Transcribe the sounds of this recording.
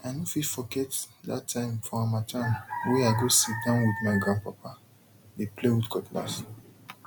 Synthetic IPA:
aɪnofilfɔɡɛtda̰tʰːãɪ̃mfɔ̃ãmatʰãnwɛaɪɡosit̚dãʊ̃nwidmaɪɡãpapa | leplewutkʰɔtla̰s

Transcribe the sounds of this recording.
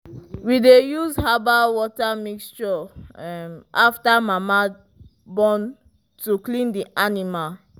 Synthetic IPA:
widejuzhabawɔtamikst͡ʃɔmaftamama | bɔ̃n | tuklĩndiʔanimal

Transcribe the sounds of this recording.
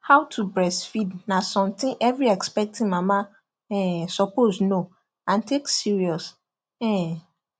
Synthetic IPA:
hawtʰubɹɛsfidnãsɔ̃mtɪ̃nʔɛvɹiɛkspɛk̚tʰĩnmãmã | ɛ̃sɔposno | ãntʰeksiɹiɔs | ɛ̃

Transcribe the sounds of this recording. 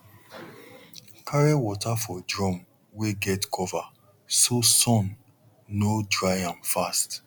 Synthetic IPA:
kʰaɹewɔtafɔdɹɔ̃m | weɡɛtkʰɔva | sosɔ̃nː | odɹaɪãmfast

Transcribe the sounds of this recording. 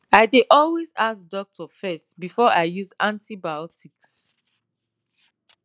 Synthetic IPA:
aɪdeʔɔlwezas̚dɔk̚tʰɔfɛstbifɔaɪjuzãntʰibajɔtʰiks

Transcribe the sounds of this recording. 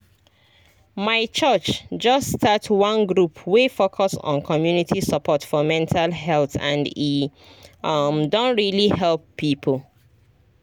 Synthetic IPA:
maɪt͡ʃɜt͡ʃd͡ʒʌstʰatwʌ̃nɡɹupʰwefokʰɔsɔ̰̃nkʰɔmjunitʰisəpʰɔtfɔmɛ̃ntʰalɦɛlθã̰ndi | ʌmdõnɹiliɦɛlpːipʰəl

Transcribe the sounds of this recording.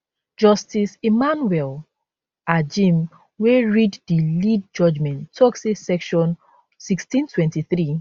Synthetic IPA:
d͡ʒɔstisemanuwɛl | ad͡ʒĩm | weɹiddilid̚d͡ʒɔd͡ʒmɛ̃nʰːɔksesɛkʃɔ̃n | sikstĩntʰwɛ̃ntiθɹi

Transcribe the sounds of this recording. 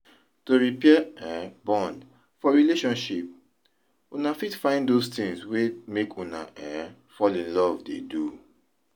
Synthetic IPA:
toɹipɛɛɛ̃bɔ̃nd | fɔɹileʃɔ̃nʃip̚ | unafitfãɪ̃ndostĩŋswemekʰuna̰ʔɛ | fɔlĩnlɔvdḛdu

